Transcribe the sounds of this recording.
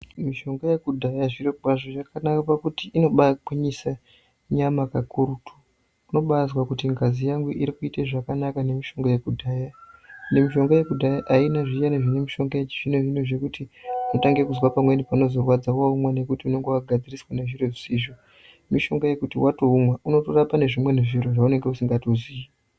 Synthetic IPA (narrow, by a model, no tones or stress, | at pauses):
miʃo̞ŋɡajekudʱajaʐiɾowaʐoʐakanakapakutiʔino̞ɓakwiɲisa | ɲamakakuɾutʰu̥ | uno̞ɓazwakutiŋɡazijaŋɡuʔiɾikuiteʐakanakane̞miʃo̞ŋɡojekudʱajane̞miʃo̞ŋɡoje̞kudʱajaʔainaʐit͡ʃaneʐinemiʃo̞ŋɡaet͡ʃiʐ̥ineʐineʐe̞kutiuno̞taŋɡekuzwapamwe̞nipano̞zo̞rwad͡zawaumwane̞kutiune̞ŋɡewaɡʱad͡ziriswane̞ʐireʐisiːʐo | miʃo̞ŋɡoje̞kutiwatoumwauno̞torapane̞ʐimwe̞neʐiroʐaune̞ŋɡeusiŋɡatozii